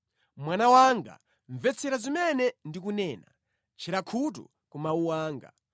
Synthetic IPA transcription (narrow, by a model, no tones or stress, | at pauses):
mwanawaŋɡa̰ | ɱvɛt͡sʰɛɾazimɛnɛndikunɛːna | t͡ʃʰiɾakʰut̬ṵ | kumauwaːŋɡa̰